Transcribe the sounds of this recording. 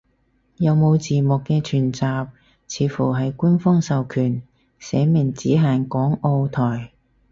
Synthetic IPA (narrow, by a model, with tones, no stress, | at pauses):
jɐ˨˧wmo˨˧wt͡siː˨mʊ˨kːɛː˧t͡ʃʰyː˨˩nt͡saː˨p̚ | t͡sʰiː˨˧˥fuː˨˩ɦɐ˨jkuː˥nfɔː˥ŋsɐ˨wkʰyː˨˩n | sɛː˨˧˥mɪ˨˩ŋt͡siː˨˥ɦaː˨ŋkɔː˨˥ŋo˧wt̪ʰɔː˨˩j